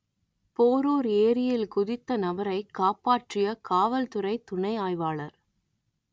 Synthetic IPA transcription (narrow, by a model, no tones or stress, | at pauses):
poːɾoːɾeːɾɪjɪlkʊðɪt̪ːɐnɐʋɐɾɐɪkːaːpaːʈrɪjɐkaːʋɐlt̪ɯɾɐɪt̪ʊɳɐɪaːjʋaːɭɐɾ